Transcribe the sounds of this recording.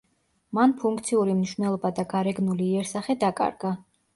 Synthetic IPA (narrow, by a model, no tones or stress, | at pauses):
manpʰuŋk̚ʰt̪sʰiuɾimniʃwvnɛlˠɔbad̪aɡaɾɛɡnuliːɛɾsaχɛd̪akʼa̰ɾɡa